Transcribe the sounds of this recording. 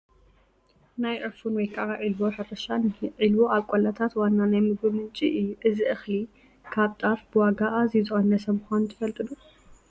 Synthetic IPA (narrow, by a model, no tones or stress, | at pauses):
najʕɨfunwɔjkʰaʔaʕilwoħɨɾɐʃanʕilwo̞ʔaβkʼolat̪ʰat̪wanːanajmɨɡbɨmɨnt͡ʃʼiʔjuʔɨziʔɨxli | kʰaβt̪ʼafbɨwaɡaʔazizɨxonɐsɐmxant̪ʰɨfɐlt̪ʼɨlu